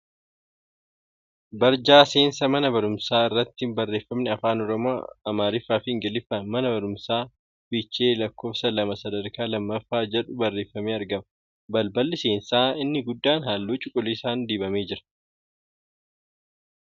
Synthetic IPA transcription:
bɐɾd͡ʒaːse̞ːnsɐmɐnɐbɐɾʊmsaːɪrːɐt̪ːɪbɐrːe̞ːfːɐmnɪɐfaːnɔɾɔmoːɐmaːɾɪfːaːfɪŋɡɐlɪfːɐnmɐnɐbɐɾʊmsaː | b̥ɪt͡ʃːeːlɐkːo̞ːfsɐlɐmɐsɐd̪ɐɾkaːlɐmːɐfːaːd͡ʒɛᶑʊbɐrːe̞ːfːɐmeːɐɾɡɐmɐ | bɐlbɐlːɪseːnsaːɪnːɪɡʊd̪ːaːnɦaːlːuːt͡ʃʼʊkʼːʊliːsaːnd̪iːbɐmeːd͡ʒɪɾɐ̥

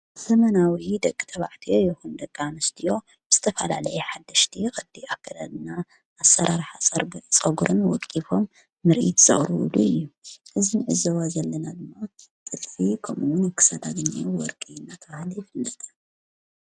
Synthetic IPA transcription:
zɐmɐnawid̪ɐkʼːi̥t̪ʰɐβa̰ʕt̪ʰijo̞jɪxund̪ɐkʼːanɨst̪ʰijo̞ | b̥ɨz̥ɨt̪ʰɐfɐla̰lɐjɛħad̪ːɐʃt̪ʰixʼɐd̪iʔakʰːɐd̪alna | ʔːsɐɾʔaɾħaɐt͡sʼɐɡuɾɨnwɔkʼifo̞mː | ɨɾʔit̪z̥ɐ̰χʼɾɨw̰luɨjːuʔɨzinʕɨzɐwazɐlːɐnad̪ɨmːatʼɨlfikʰɐmuwʊnɨkʰːɨ̥sɐd̪aɡɲiwɔɾkʼinːat̪ʰɐβahɨljɪfɨlːɐt̪ʰɐ̥

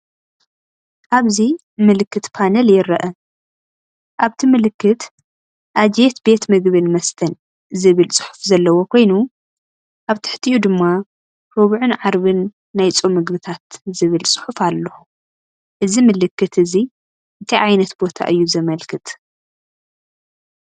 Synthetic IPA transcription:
ʔaβzi | mɨlɨkːɨt̪pʰanɐljɪɾɐʔɐ | ʔaβt̪ʰimɨlɨkːɨt̪ | ʔad͡ʒjet̪be̞t̪mɨɡβɨnmɐst̪ʰɐn | zɨβɨlt͡sʼɨ̥ħu̥fzɐlːɐwokʰo̞jnu | ʔaβt̪ʰɨ̥ħt̪ʰiʔud̪ɨmːa | ɾoβʕunʕaɾβɨnː | ajt͡sʼomɨɡbɨt̪ʰat̪zɨβɨlsʼɨ̥ħufalːɐxu | ʔɨzimɨlɨkːɨt̪ɨzi | ʔɨt̪ʰiʕajnɐt̪bo̞t̪ʰa̰ʔɨjːuzɐmɐlkʰɨt̪ʼ

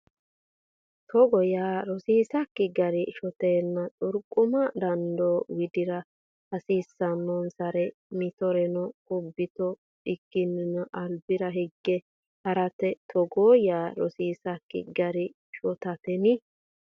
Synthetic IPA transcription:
t̪ʰɔɡɔjaːɾɔsiːsɐkːɪɡɐɾɪʃɔt̪eːnːɐt͡sʼʊɾkʼːʊmɐd̪ɐnd̪oːwɪd̪ɪɾɐ | hɐsiːsːɐnːɔnsɐɾɛ | mɪt̪ɔɾɛnɔkʼʊbːɪt̪ɔ | ɪkːɪnːɪnɐʔɐlbɪɾɐɦɛɡːɛ | hɐɾɐt̪ɛt̪ʰɔɡoːjaːɾɔsiːsɐkːɪ̰ɡɐɾɪ | ʃɔt̪ɐt̪ɛnɪ

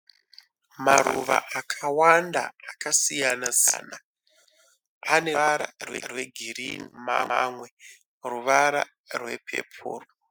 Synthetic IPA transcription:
maɾuʋa̰ʔakʰawandaːkasijanaza̰ːna | aneaɾa̰rwerwe̞ɡʱirinma̰amwe̞ | ruʋaɾa̰ | rwe̞̰pʰe̞̰pʰuːro

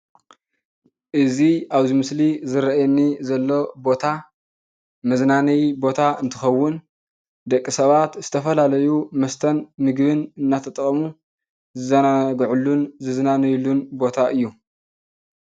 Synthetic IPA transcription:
ʔɨziaβzimɨslizɨɾɐʔjɛnːizɐlːo̞bo̞t̪ʰa | mɐznanɐjbo̞t̪ʰaɨnt̪ʰɨxɐwːʊn | d̪ɐkʼːisɐβat̪z̥ɨt̪ʰɐfɐlalɐjumɐst̪ʰɐnmɨɡβɨnɨnːat̪ʰɐt̪ʼɐkʼɐmu | zɨzɐnaɡʕulːunzɨznanɐjlːunbo̞t̪ʰaʔɨjːu

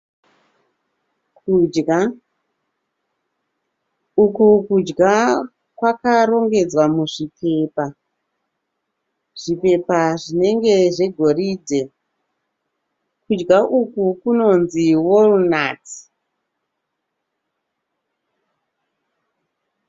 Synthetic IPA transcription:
k | ukukud͡ʒɡa | kwakaɾo̞ŋɡe̞d͡zwamuʐipʰe̞pa | ʐ̥ipe̞paʐine̞ŋɡe̞ʐe̞ɡʱo̞ridʱe̞ | kud͡ʒɡaʔukukuno̞nziwolunaːti̥

